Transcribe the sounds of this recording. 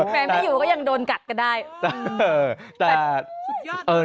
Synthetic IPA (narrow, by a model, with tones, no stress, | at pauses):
mɛː˧˦ma˨juː˨˩kɔː˥˩ja˧ŋdoː˧nka˨˩t̪̚ka˧ndaː˥˩jt̪əː˧t̪ɛː˨˩ | ʔɤː˧˩